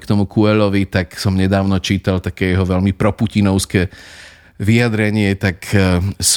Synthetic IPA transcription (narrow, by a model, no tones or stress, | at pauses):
kt̪ɔmukuɛʎɔʋit̪aksɔmɲɛd̪aːʊnɔt͡ʃiːt̪alt̪akɛjɛɦɔʋɛʎmipɾɔpucinɔʊskɛː | ʋiad̪ɾɛɲɪɛt̪aks